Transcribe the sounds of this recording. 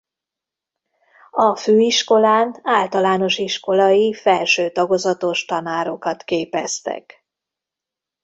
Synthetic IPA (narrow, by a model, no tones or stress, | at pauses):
ɒføːiʃko̞laːnaːlt̪ɒlaːno̞ʃiʃko̞lɒjifɛlʃøːt̪ɒɡo̞zɒt̪o̞ʃt̪ɒnaːɾo̞kɒt̪keːpɛ̰st̪ɛ̰k